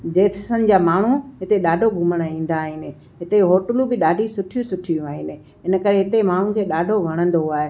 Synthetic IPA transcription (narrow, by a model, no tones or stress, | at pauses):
d͡ʑeːt̪ʰsənɪ̆d͡ʑaːmaːɳ̤uɦɪt̪eɗaːɖʱoɡʱʊməɽ̃aĩːn̆d̪aːɦɪnɪ̆ | ɦɪt̪eɦoːʈəlubɪɗaːɖʱisʊʈʰijũsʊʈʰijũaːɦɪnɪ̆ | ɪnəkɐɾeɦɪt̪emaːɳ̤ũkʰeːɗaːɖʱoʋʱɐɽ̃ə̃nd̪oaːɦe